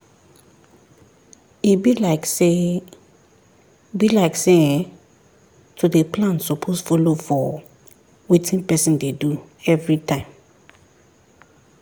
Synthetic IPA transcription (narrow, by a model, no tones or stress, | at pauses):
ibilake | bilaɪkseɛ̃ | tʰudepʰlãnsɔpʰosfɔlofɔ | witʰĩnpɛsĩndeduɛvɹitʰãɪ̃m